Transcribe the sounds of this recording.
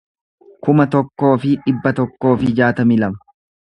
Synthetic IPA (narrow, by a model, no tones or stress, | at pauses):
kʊmɐt̪ɔkːo̞ːfɪᶑɪbːɐt̪ɔkːo̞ːfɪd͡ʒaːt̪ɐmɪlɐmɐ̥